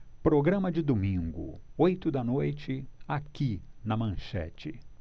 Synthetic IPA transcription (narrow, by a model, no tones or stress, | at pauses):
pɾoɡɾɐ̃mɐd͡ʒɪd̪omĩɡʊ̰ojt̪ʊd̪ɐnojt͡ʃɪakinɐmɐ̃ʃɛ̰t͡ʃɪ